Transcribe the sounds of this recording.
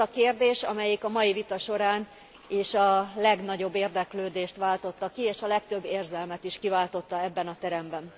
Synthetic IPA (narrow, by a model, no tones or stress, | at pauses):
ɒkeːrd̪eːʃɒmɛjikɒmɒjivit̪ɒʃo̞ɾaːn | eːʃɒlɛɡnɒɟo̞bːeːrd̪ɛkløːd̪eːʃt̪ʋaːlt̪o̞t̪ːɒkːieːʃɒlɛk̚t̪ø̞bːeːrzɛlmɛt̪iʃkivaːlt̪o̞t̪ːɒɛbːɛnɒt̪ɛɾɛmbɛn